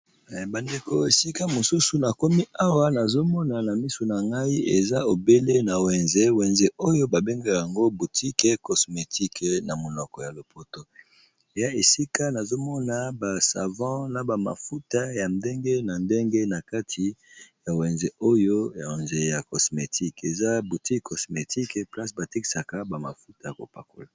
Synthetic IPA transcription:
ba˨nde˨ko˨e˨si˦ka˦mo˨su˦su˨na˨ko˦mi˦ʔa˦wa˦na˨zo˦mɔ˦na˨na˨mi˦su˨na˨ŋɡa˦i˦ʔe˨za˦o˨be˦le˦na˨wɛ˨nze˦wɛ˨nze˦o˦jo˦ba˨be˦ŋɡa˦ja˨ŋɡo˦bu˨tʰi˦ke˦kɔ˨sme˨tʰi˦kna˨mo˨nɔ˨kɔ˨ja˨lo˨pʰo˦to˦ | e˨ja˦e˨si˦ka˦na˨zo˦mɔ˦na˨ba˨sa̰˨vɑ̃˦na˨ba˨ma̰˨fu˦ta˦ja˨nde˦ŋɡe˦na˨nde˦ŋɡe˦na˨ka˦tʰi˨ja˨wɛ˨nze˨o˦jo˦ja˨wɛ˨nze˨ja˨kɔ˨sme˨tʰi˦ke˨za˦bu˨ti˦kʰɔ˨sme˨ti˦kpla˦sba˨ti˦ki̥˨sa˨ka˦ba˨ma̰˨fu˦ta˨ja˨ko̰˨pa̰˨ko̰˨la˨

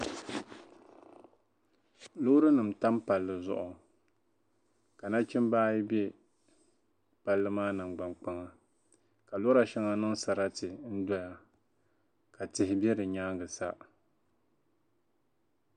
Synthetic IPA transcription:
lo˦ɾɨ˦nɨ˨mta˦mpa˨lːɨ˨zʊ̰˦ʔʊ˨ | ka˨na˦t͡ʃɪ˦mbaː˦ji˦bjɛ˦ | pa˦lːɨ˦maː˦nɨ˨mɡ͡ba˨mk͡pa˦ŋa˨ | ka˨lo˦ɾa˨ʃɛ˦ŋa˦nɨ˦ŋsa˨ɾa˦tɨ˨n̩˦dɔ˦ja˦ | ka˨tɪ˨hɪ˦bɛ˦dɨ˨ɲaː˦ŋɡɨ˨sa˦

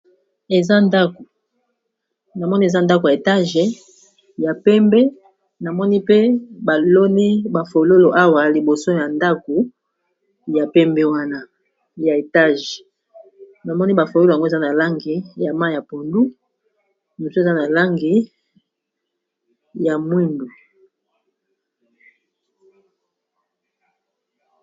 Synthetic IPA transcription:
e˨za˦nda˦ko˨ | na˨mɔ˦ni˦e˨za˦nda˦ko˨ja˨e˨ta˦ʒe˨ | ja˨pɛ˦mbɛ˦ | na˨mɔ˦ni˦pe˦ba˨lo˦ni˦ba˨fo˨lo˦lo˨ʔa˦wa˨li˨bo˨so˦ja˨nda˦ko˨ | ja˨pɛ˦mbe˦wa˦na˦ | ja˨e˨ta˦ʒ | na˨mɔ˦ni˦ba˨fo˨lo˦lo˨a˨ŋɡo˦e˨za˦na˨la˦ŋɡi˨ja˨ma˦˨ja˨po˨ndu˦˨ | mo˨so˦e˨za˦na˨la˦ŋɡi˨ | ja˨mwi˦ndu˨

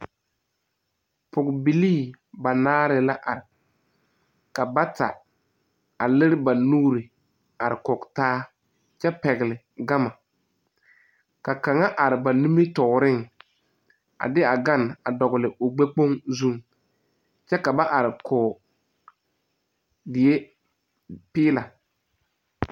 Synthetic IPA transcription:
pʊ˨ɡbi˨liː˦˨ | ba˨naː˦ɾɪ˨la˦ʔa˨ɾɪ˨ | ka˨ba˦ta̰˨ | a˨lɪ˦ɾɪ˦ba˨nuː˦ɾɪ˨ | a˨ɾɪ˨kɔ˨ktaː˦ | t͡ʃɛ˦pɛ˨ɣɪ˨lɪ˨ | ɡa˦ma˨ | ka˨ka˨ŋa˦ʔa˨ɾɪ˨ba˨nu˦mi˦tɔː˨ɾɪ˦ŋ | a̰˨dɪ˦a˨ɡa˦na˨dɔ˨ɡɪ˨lɪ˨ʊ˨ɡ͡be˦k͡po˦ŋzu˦ŋ | t͡ʃɛ˦ka˨ba˦ʔa˨ɾɪ˨kɔː˨ | dɪ˨je˦ | pɪː˦la˨

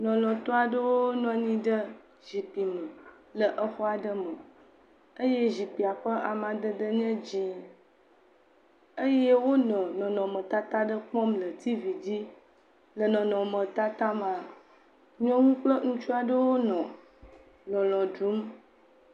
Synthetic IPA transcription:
nɔ̃˨lɔ̃˨t̪ɔ˦a˨ɖə˦wo˦nɔ̃˨ɲĩ˦ɖə˦ | ʒi˨pi˨mə˨ | lə˨ʔə˦xɔ˦a˨ɖə˦mə˨ | ə˦je˦ʒi˨pi˨a˨ɸə˦ʔa˨mã˨d̪ə˦d̪ə˦ɲɛ̃˦d͡ʑĩ˦ | ə˦je˦wo˦nɔ̃˨nɔ̃˨nɔ̃˨mə̃˨t̪a˦t̪a˦ɖə˦k͡pɔ̃˦mlə˨t̪i˦vi˨d͡ʑi˦ | lə˨nɔ̃˨nɔ̃˨mə̃˨t̪a˦t̪a˦mã˨ | ɲɔ̃˦ŋũ˦k͡plə˦ŋũ˦t͡ʃu˦a˨ɖə˦wo˦nɔ̃˨ | lɔ̃˨lɔ̃˨ɖu˨˦m

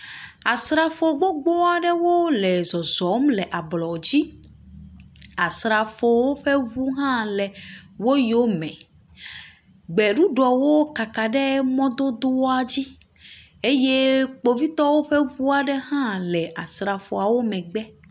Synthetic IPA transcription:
a˨sɾa˨fo˨ɡ͡bo˦ɡ͡bɔ˦a˨ɖɛ˦wo˦lɛ˨zɔ˨zɔ˨˦mlɛ˨ʔa˨blɔ˨d͡ʑi˦ | a˨sɾa˨fo˨wo˦ɸe˦βu˦ɦã˦lɛ˨wo˦jo˦mɛ̃˨ | ɡ͡bɛ˨ɖu˦ɖɔ˨wo˦ka˨ka˨ɖɛ˦mɔ̃˦d̪o˦d̪o˦wa˨d͡ʑi˦ | e˦je˦k͡po˨vi˦t̪ɔ˦wo˦ɸɛ˦βu˦a˨ɖɛ˦hã˦lɛ˨a˨sɾa˨fo˨a˨wo˦mɛ̃˨ɡ͡bɛ˦

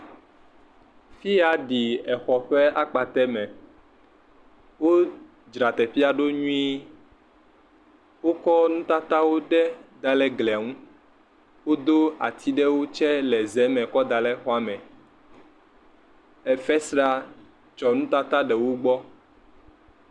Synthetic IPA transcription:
fi˦a˨ɖi˨ɛ˨xɔ˨ɸɛ˦a˦k͡pa˨t̪ɛ˦mɛ̃˨ | wo˦ | d͡ʒɾa˨t̪ɛ˨ɸi˦a˦ɖo˦ɲũ˦i˦ | wo˦kɔ˦nũ˦t̪a˦t̪a˦wo˦ɖɛ˦d̪a˨lɛ˦ɡlɛ˨a˨ŋũ˦ | wo˦d̪o˦a˨t̪ʰi˦ɖɛ˦wo˦t͡ʃɛ˦lɛ˨zɛ˨˦mɛ̃˨kɔ˦d̪a˨lɛ˦xɔ˦a˦mɛ̃˨ | ɛ˨fɛ˦sɾa˦ | t͡ʃɔ˨nũ˦t̪a˦t̪a˦ɖɛ˨wo˦ɡ͡bɔ˦

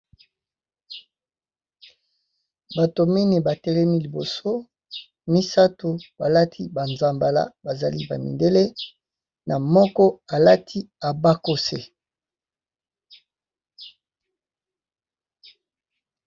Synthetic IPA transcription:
ba˨to˨mɛ˦ne˨ba˨tɛ˦lɛ˦mi˦li˨bo˨so˦ | mi˦sa˦to˨ba˨la˦tʰi˦ba˨nza˨mba˨la̰˦ba˨za˨li˦ba̰˨mḭ˨nde˦le˦ | na˨mɔ˦kɔ˦a˨la˦tʰi˦a˨ba˦ko˦se˨

